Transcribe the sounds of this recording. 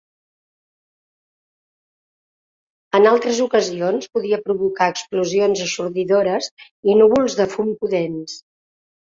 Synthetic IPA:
ənalˠt̪ɾəzukəzionspuðiəpɾuβukaəkspluzionzəsuɾðiðoɾəz | inuβulˠzðəfumpuðens

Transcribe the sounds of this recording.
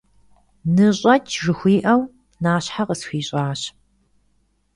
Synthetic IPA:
nɨɕʼɐt͡ʃʰʐɨxʷiːʔɐw | naːɕħaqəsxʷiːɕʼaːɕ

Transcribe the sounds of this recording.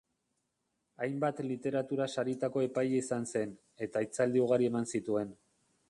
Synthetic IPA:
ajmbat̪lit̪e̞ɾat̪uɾasaɾit̪ako̞e̞pajaisanse̞n | e̞t̪ait͡sald̪iuɣ̞aɾie̞mansit̪ue̞n

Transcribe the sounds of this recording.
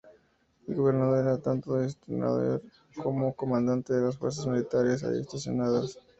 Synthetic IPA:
elɣo̞βe̞ɾnaðoɾeɾat̪ant̪oðest̪ina̰ðo̰ɾ | komoko̞mãnd̪ant̪eðe̞lasfweɾs̬azmilit̪aɾesa̰ḭḛst̪asjo̞̰naðas

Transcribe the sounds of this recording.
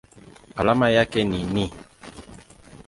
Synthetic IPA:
alamajakɛninĩ

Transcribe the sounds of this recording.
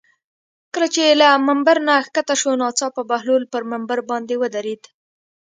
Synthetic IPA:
kəlat͡ʃelamambaɾnaxkat̪aʃonɑt͡sɑpəbahlulpəɾmambaɾbɑnd̪ewəd̪aɾed̪

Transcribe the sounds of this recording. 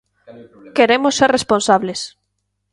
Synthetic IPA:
keɾemosːeresponsaβles

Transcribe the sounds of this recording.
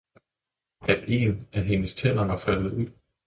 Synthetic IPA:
æd̥e̝̰ːnʔæɦe̝nəst͡sʰen̰ɐʋɑ̈fæl̰ð̩ˠuð̰ˠ

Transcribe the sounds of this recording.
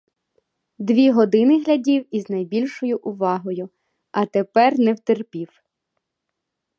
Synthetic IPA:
d̪ʋʲiɦɔd̪ɪnɪɦlʲɐdʲiwiznɐjbʲilʲʃɔjʊʔʊʋɑɦɔjʊ | ɐt̪epɛrnɛwt̪erpʲiw

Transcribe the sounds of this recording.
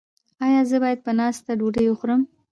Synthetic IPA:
ɑjɑzəbɑjad̪̚pənɑst̪aɖoɖəjwəxɾəm

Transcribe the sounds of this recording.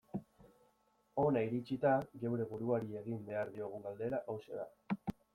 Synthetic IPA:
o̞naiɾit͡ʃit̪aɣewɾe̞βuɾuaɾie̞ɣ̞imbe̞aɾðio̞ɣ̞uŋɡald̪e̞ɾaʔawse̞ða̰

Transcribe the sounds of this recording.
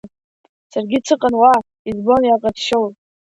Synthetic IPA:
sarɡʲit͡sʰɨqʼanwa | izbonjaqʼatʃowtʼ

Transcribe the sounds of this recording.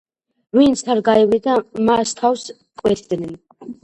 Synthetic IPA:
vint̪sʰaɾɡaivid̪amast̪ʰaws | kʼwɛt̪ʰd̪nɛn

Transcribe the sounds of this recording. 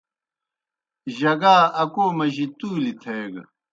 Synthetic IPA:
ʑɐɡaːɐkoːmɐʑit̪uːlit̪ʰeːɡ

